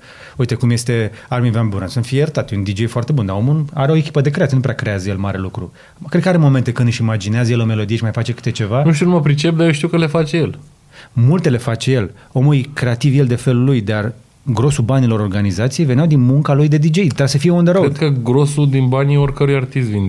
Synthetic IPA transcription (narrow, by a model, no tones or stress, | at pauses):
uit̪ekumje̞st̪e̞armivanbuɾa̰nsunfijert̪at̪jund̪id͡ʒe̞jfoart̪e̞bund̪ao̞muaɾeo̞e̞kʲi̥pəd̪e̞kɾeat̪jenupɾeakɾe̞azəje̞lmaɾe̞lukɾṵ | kɾed̪̚kəaɾemo̞me̞nt̪e̞kɨnd̪ɨʃimad͡ʒineazəjelo̞me̞lo̞d̪ieʃimajfat͡ʃe̞kɨ̥t̪et͡ʃe̞vanuʃt̪iunuməpɾit͡ʃe̞p̚d̪ajoʃt̪iuwkəle̞fat͡ʃejel | mult̪e̞le̞fat͡ʃe̞je̞l | o̞mujkɾe̞at̪ivje̞ld̪e̞fe̞lulujd̪ar | ɡɾo̞subanilo̞ɾo̞rɡanizat̪sijeve̞njawd̪inmuŋkalujd̪e̞d̪id͡ʒe̞jt̪səfijeund̪eɾoɾed̪kəɡɾo̞sud̪inbaniorkəɾujart̪is̬t̪vind̪